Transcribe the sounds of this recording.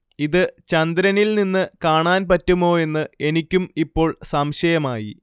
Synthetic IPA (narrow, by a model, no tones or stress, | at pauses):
iðɨt͡ɕɐnd̪ɾɐnilninːɨkaːɳaːnpɐtːumo̞ːe̞nːɨe̞nikʲːumipːo̞ːɭsɐmɕɐjɐmaːjḭ